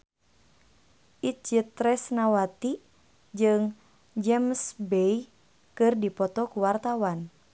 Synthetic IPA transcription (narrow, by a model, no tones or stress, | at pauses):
ʔit͡ʃɨt̪ɾɛsnawat̪i | d͡ʒɨŋ | d͡ʒɛmsbɛj | kɨrdipɔt̪ɔkuwart̪awan